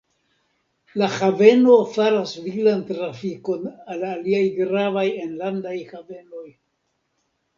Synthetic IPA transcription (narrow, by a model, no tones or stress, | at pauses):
lahave̞nofaɾasviɡlantɾafiko̞nalaliajɡɾavajenlandajhave̞no̞j